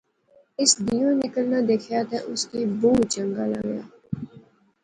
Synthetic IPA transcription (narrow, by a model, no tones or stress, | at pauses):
ɪsd̪ijõnɪkəlnad̪eːkʰjaːt̪ɛʔʊskibũːt͡ʃə̃ŋɡaːla̰ɡja̰ː